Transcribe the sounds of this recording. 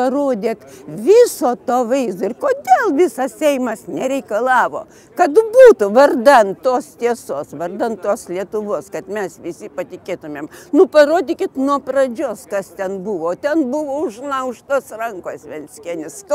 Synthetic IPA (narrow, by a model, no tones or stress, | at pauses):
pɐroːd̪ʲeːt̪ʋʲɪsoːt̪oːʋɐɪzd̪oɪrkoːd̪ʲeːlˠʋʲɪsɐssʲɛɪmɐsnʲɛɾʲɛɪkɐlˠɑːʋo̰ː | kɐt̪buːt̪ʊʋɐrd̪ɐnt̪t̪oːst̪ʲiɛsoːsʋɐrd̪ɐntt̪oːslʲiɛt̪ʊʋoːskɐt̪mʲɛsʋʲɪsʲɪpɐt̪ʲɪkʲeːt̪ʊmʲeːmnʊpɐɾoːd̪ʲikʲɪt̪nuɔprɐd͡ʒʲoːskɐst̪ʲɛnbuʋoːt̪ʲɛnbuʋoːʊʒnˠɐʊʃt̪oːsrɐŋkoːsʲʋʲɛnʲsʲkʲɛnʲɪsk